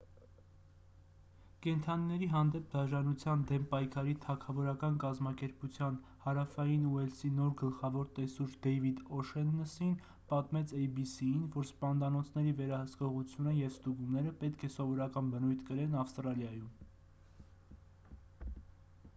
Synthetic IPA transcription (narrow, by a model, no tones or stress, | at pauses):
kɛnt̪ʰɑninɛɾiɦɑnd̪ɛp̚d̪ɑʒɑnut͡sʰjɑnd̪ɛmpɑjkʰɑɾit̪ʰɑkʰɑvɔɾɑkɑnkɑzmɑkɛɾput͡sʰjɑnhɑɾɑfɑjinuɛlsinɔɾɡəlχɑvɔɾt̪ɛsuɾd̪ɛjvid̪ɔʃɛnːəsin | pɑt̪mɛt͡sʰɛjbisiinvɔɾspɑnd̪ɑnɔt͡sʰnɛɾivɛɾɑhəskɔʁut͡sʰjunəjɛvst̪uɡumnɛɾəpɛt̪kʰɛsɔvɔɾɑkɑnbənujt̪ʰkəɾɛnɑfst̪ɾɑljɑjum